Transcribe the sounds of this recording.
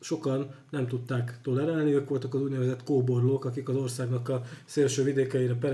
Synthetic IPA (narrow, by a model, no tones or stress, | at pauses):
ʃo̞kɒnːɛmt̪ut̪ːaːkt̪o̞lɛɾaːlniøːkʋo̞lt̪ɒkɒzuːɟnɛvɛzɛt̪koːbo̞rloːkɒkikɒzo̞rsaːɡnɒkːɒlseːlʃøːvid̪eːkɛjiɾɛpɛɾ